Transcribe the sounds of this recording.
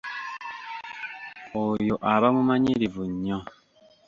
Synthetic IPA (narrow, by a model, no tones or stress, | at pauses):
ojoʔaβamumaɲiɾivuɲɔ̃